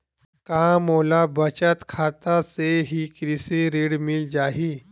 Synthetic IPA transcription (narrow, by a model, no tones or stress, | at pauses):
kamolabət͡ɕat̪kʰat̪aseɦiːkɾiseɾeɽmild͡ʑaɦiː